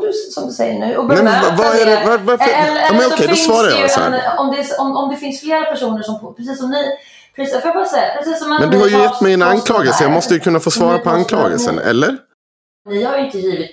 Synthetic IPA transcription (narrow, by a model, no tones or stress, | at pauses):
d̪ɵsɔmd̪ɵsɛ̰jːə̰ɳʉ̟ːɔbnɛmɛnvavaæɾɛvaɾvaɾfəɛlːɑːmɛnɔɔkʰɛjd̪ɔsvɑːɾaɾja̰sɔ̰hæ̰ɔmd̪ɛsɔmɔmd̪ɛfɪnsfleːɾapʰæʂuːnəʂɔmfpʰɾɛs̬iːsɔmnɪ | pʰɾisafjbɑːsɛjːapʰɾɛsiːsːɔmɛmɛnd̪ɵhaɾjɵjɛt̪ːmɛjɛnankʰlɑːɡəlsəjɑːɡmɔst̪əjɵkʰɵnːafoːsvɑːɾapʰɔankʰlɑ̰ːɡə̰lsə̰nɛ̰lːəɾ | nɪhajʏɪnt̪əjiːvɪt̪